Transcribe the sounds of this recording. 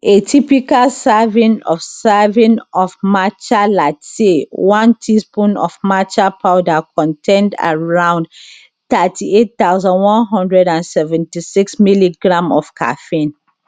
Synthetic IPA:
etʰipikalsavĩnɔfsavĩnɔfmat͡ʃalasewɔ̃ntʰispũnɔ̰fmat͡ʃapʰaʊdakʰɔ̃ntʰɛ̃nda̰ɹãʊ̃nd | tatʰiet̚taʊzɔ̃nwɔ̃nɦɔ̃ndɹɛdãnsɛvɛ̃ntisiksmiliɡɹãmɔfkʰa̰fĩn

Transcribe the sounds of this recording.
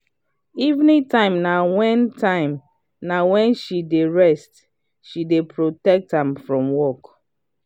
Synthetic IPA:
ivnĩtʰãɪ̃mnawɛ̃ntʰãɪ̃m | nawɛ̃nʃideɹɛst | ʃidepʰɹotɛk̚tãmfɹɔ̃mwɔk

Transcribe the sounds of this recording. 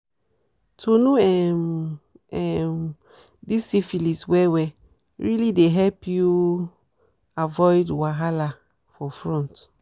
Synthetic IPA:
tʰonuɛm | ɛm | disifiliswɛwɛ | ɹilideɦɛlpʰju | avɔɪdwaɦala | fɔfɹɔ̃nt

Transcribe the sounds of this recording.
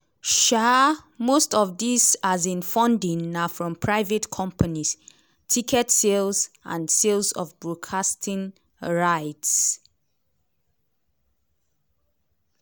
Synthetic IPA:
ʃamostɔvdisazĩnfɔ̃ndĩnnafɹɔ̃mpʰɹaɪvetkʰɔ̃mpʰanis | tʰikʰɛtselsʔã̰nselsɔ̰vbɹokʰastʰĩn | ɹaɪts

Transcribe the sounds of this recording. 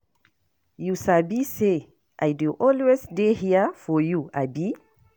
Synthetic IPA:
jusabise | ʔajduʔɔlwesdehiəfɔjuabi

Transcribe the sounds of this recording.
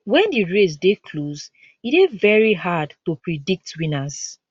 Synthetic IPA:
wɛ̃ndiɹes̬dekʰloz | iɾevɛɹiɦadtupɹidik̚twĩnaz

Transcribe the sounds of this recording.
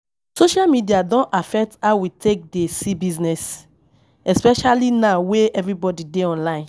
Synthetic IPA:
soʃalmidiadɔ̃nafɛk̚taʊwitʰek̚desibiznɛs | ɛspɛʃalinaweɛvɹibɔdideɔ̃nlãɪ̃n

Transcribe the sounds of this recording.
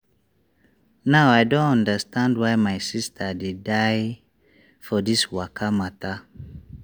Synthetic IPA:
naʊaɪdõntɔ̃ndəstʰãndwaɪmaɪsistʰadedaɪ | fɔdiswakʰamata

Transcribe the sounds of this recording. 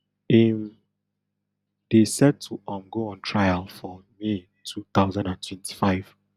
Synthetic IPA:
ɛm | d̥esɛd̚tʰuʔãmɡoɔ̃ntʰɹajalfɔme | tʰuθaʊzãndãntʰwɛ̃ntʰi̥faɪv̥

